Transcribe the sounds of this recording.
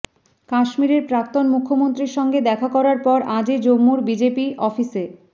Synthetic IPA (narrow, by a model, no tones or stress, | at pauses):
kaʃmiɾeɾpɾak̚t̪onmukʰːomont̪ɾiɾʃɔŋɡed̪ɛkʰakɔɾaɾpɔɾʔãd͡ʑed͡ʑomːuɾbid͡ʑepiʔɔfise